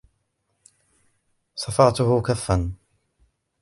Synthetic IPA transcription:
sˤɑfɑːt̪ʊhʊkafːan

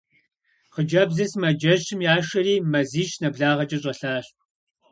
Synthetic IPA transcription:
χəd͡ʒɐbzɐsmɐd͡ʒɐʃɪmjaːʂɐɾiːmɐziːʃʼnɐbɮaːʁɐt͡ʃʼɐɕʼɐɬaːɕ

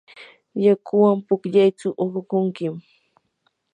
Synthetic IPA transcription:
jakʰʊwampʊkʎajt͡sʊʔoɾʊkʊŋkɪm

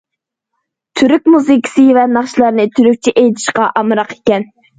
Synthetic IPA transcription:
t̪ʰyɾykʲmuzɨkʲʰi̥sɨvɛnɑχʃilˠɑɾnɨt̪ʰyɾyk̚ʲt͡ʃʰiʔejt̪ʰɪ̥ʃqɑʔɑmɨɾɑqe̥kʲɛn

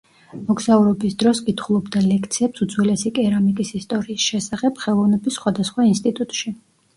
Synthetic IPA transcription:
mɔɡsauɾɔbisd̪ɾɔskʼit̪ʰχulˠɔbd̪alɛkʰt̪sʰiɛpsud̪zwilɛsikʼɛɾamikʼisist̪ʼɔɾiːsʃɛsaχɛb̥χɛlˠɔvnɛbisːχwad̪asχwainst̪ʼit̪ʼut̪ʼʃi

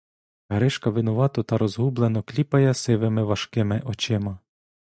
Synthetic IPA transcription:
ɐɾɪʃkɐʋɪnʊʋɑt̪ɔt̪ɐɾɔzɦublˠen̪ɔklʲipɐjɛsɪʋɪmɪʋɐʃkɪmɪʔɔt͡ʃɪmɐ

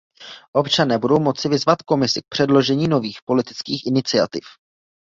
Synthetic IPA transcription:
ʔo̞pt͡ʃanɛːbudo̞wmo̞t͡sɪvɪzvat̪ko̞mɪsɪk̚pr̥ɛdlo̞ʒɛɲiːno̞viːxpo̞lɪt̪ɪ̥t͡skiːxʔɪnɪt͡sɪa̰t̪ɪf

